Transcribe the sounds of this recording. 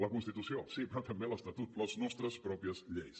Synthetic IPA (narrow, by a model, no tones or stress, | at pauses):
ləkunst̪it̪usiosipɾɔt̪əmbeləst̪ət̪ut̪ləznɔst̪ɾəspɾɔpiəzʎejs